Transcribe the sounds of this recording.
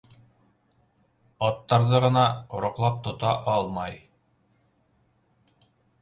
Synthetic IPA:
ɑt̪ːɑɾðɤʁɤ̆nɑqŏɾŏqlˠɑp̚t̪ŏt̪ɑʔɑlˠmɑj

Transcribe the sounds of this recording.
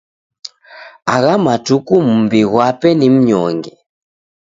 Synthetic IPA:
aɣamatukum̩mbiɣwapɛnim̩ɲɔ̰ŋɡɛ

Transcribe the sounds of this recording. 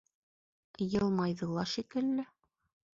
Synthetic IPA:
jɤ̆lˠmɑjðɤ̆lˠɑʃikɘ̆lːɘ

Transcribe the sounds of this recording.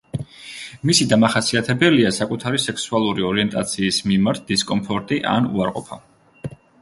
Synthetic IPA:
misid̪amaχasiat̪ʰɛbɛliasakʼut̪ʰaɾisɛksualˠuɾiɔɾiɛnt̪ʼat̪sʰiːsmimaɾt̪̚ʰd̪̥iskʼɔmpʰɔɾt̪ʼiʔa̰nṵaɾqʼɔpʰa

